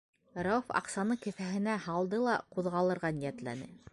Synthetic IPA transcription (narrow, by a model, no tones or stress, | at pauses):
raufɑ̰qsɑnɤkɘ̆fæɦɘ̆næhɑlˠd̪ɤlˠɑquðʁɑlˠɤ̆ɾʁɑnijæt̪læ̰nɘ̰